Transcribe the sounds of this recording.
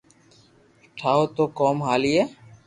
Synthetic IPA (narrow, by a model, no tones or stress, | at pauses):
ʈʰaːot̪oːkɔːmɦaːlijeː